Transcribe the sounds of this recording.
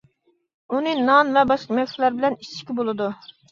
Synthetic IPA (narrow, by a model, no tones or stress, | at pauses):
unɨnɑnvɛbɑʃqɑmɛkʲslæɾbɪlɛnit͡ʃʰːi̥kʲibolˠɨd̪u